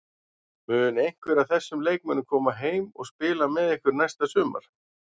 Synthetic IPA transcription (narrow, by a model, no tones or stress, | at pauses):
mʏːðʏnejŋ̥kvɛɾawθɛsːʏmleːjk̚mɛnːʏmkʰɔːmaɦeːjmɔ̰ɣspɪːlamɛðehkvʏɾnajst̪asʏːma̰ɾ̥